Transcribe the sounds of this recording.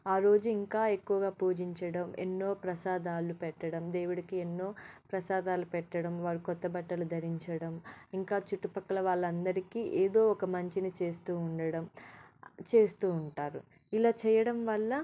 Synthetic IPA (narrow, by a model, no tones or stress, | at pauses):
aːɾo̞ːd͡ʒuiŋkaːe̞kːuʋɐɡaːpuːd͡ʒiɲt͡ʃɐɽɐmḛnːo̞ːpɾɐsaːd̪aːlupɛʈːɐɽɐmd̪e̞ːwuɽɐkienːo̞ːpɾɐsaːd̪aːlupɛʈːɐɽɐmʋaːɾikɔt̪ːɐbɐʈːɐlud̪ʱɐɾiɲt͡ʃɐɽɐmiŋkaːt͡ʃuʈːupɐkːɐlɐʋaːɭːɐnd̪ɐɾikiːʔeːd̪o̞ːɔkɐmɐɲt͡ʃinit͡ʃe̞ːst̪uːuɳɖɐɽɐm | t͡ʃe̞ːst̪uːɳʈaːɾu | ilaːt͡ʃɛːjɐɽɐmʋɐɭːɐ